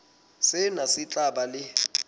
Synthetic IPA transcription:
sɪnasɪt͡ɬʼaɓalɪ

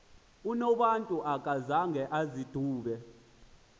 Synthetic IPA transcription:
unɔɓantʼuʔakʼazaŋɡʱɛʔazid̥ʱuːɓɛ

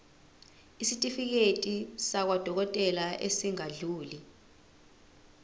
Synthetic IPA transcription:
isitʼifik̬etʼisak̬wad̥ʱɔk̬ɔtʼɛlaʔesiŋaɮuːli

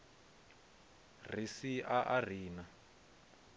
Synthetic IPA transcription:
r̤isiaʔar̤iːna

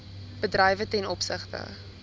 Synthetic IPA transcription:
b̥ədrɛjvətɛnɔpsəχtə̰

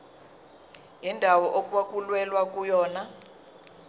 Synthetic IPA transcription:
indʱawɔʔokʼwakʼulwɛlwakʼujɔːna

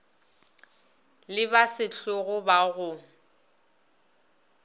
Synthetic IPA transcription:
lɪβasɪɬʊɣʊbaɣʊ

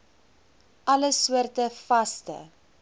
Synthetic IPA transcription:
ʔɐləsuərtəfɐstə̰

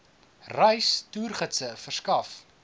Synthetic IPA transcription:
rɛjstuːrχətsəfərskɐf

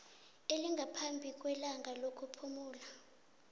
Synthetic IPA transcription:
eliŋɡʱapʰambʱik̬ʼwɛlaŋʱalokʰupʰumuːla

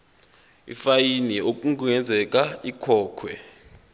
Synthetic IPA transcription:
ḭfajiniok̬ʼuŋk̬ʼuɛnd͡zʱɛk̬ʼaikʰɔːkʰwɛ̰

